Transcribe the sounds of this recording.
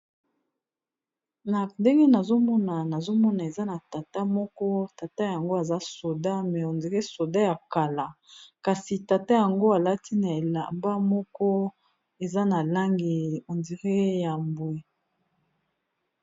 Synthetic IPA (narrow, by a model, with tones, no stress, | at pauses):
na˨nde˦ŋɡe˦na˨zo˦mɔ˦na˨na˨zo˦mɔ˦na˨e˨za˦na˨ta˨ta˦mɔ˦kɔ˦ta˨ta˦ja˨ŋɡo˦a˨za˦so˨da˦mɛ˨o˨ndi˨ʁe˦so˨da˦ja˨ka˨la˨ka˨si˨ta˨ta˦ja˨ŋɡo˦a˨la˦ti˦na˨e˨la˨mba˦mɔ˦kɔ˦ | e˨za˦na˨la˦ŋɡe˨o˨ndi˨ʁe˦ja˨mbwe˨